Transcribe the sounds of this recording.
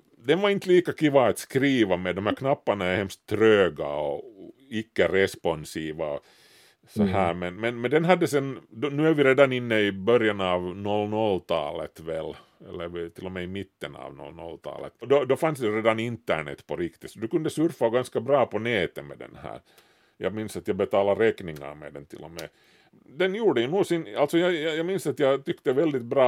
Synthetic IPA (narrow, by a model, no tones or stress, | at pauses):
d̪ɛnʋaɪnt̪liːkakiʋaːt̪skɾiːʋamɛd̪ɔmhæːkʰnɑpːaɳɑɛhɛmst̪ʰːɾøːɡaɔ | ɪkːəɾɛspɔnsiːʋaɔ | sɔɦæːɾmɛnmɛnmɛnd̪ɛnɦɑd̪ːəsɛnd̪ɔnʉːæɾʋɪɾeːd̪anɪnːəɪbœɾjɑnɑːvnɔlnɔlt̪ʰɑ̰ːlət̪vɛl | ɛ̰lːəɾt̪ɪlːɔmɛɪmɪt̪ːənɑ̰ːʋnɔ̰lnɔ̰lt̪ʰɑ̰ːlə̰t̪d̪ɔd̪ɔfansd̪ɛɾeːd̪anɪnt̪ːæ̰ɳɛ̰t̪ːpʰɔɾɪkt̪ɪt̪sɔd̪ʉkʉnd̪əsʉɾfaɔɡanskɑbɾɑːpɔneːt̪əmḛd̪ɛ̰nhæ̰ːɾ | jɑ̰ːɡmɪnsat̪jɑɡbɛt̪ɑːlɑɾɛknɪŋːɑ̰ɾmḛːd̪ɛnt̪ʰɪ̰lːɔmɛ̰ː | d̪ɛnjuːɖəjʉnuːsɪnalt̪sɔjɑjɑjɑːɡmɪnsɑt̪jɑt̪ʏkt̪əvɛld̪ɪt̪̚bɾɑː